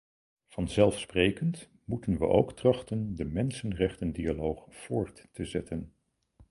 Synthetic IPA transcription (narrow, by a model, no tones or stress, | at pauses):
v̥ɑnzɛlˠfsprejkənt | mutənʋə̰ʔo̰wktrɑχtəndəmɛnsənrɛχtəndialowχv̥ʊːɹtː | əzɛtʰən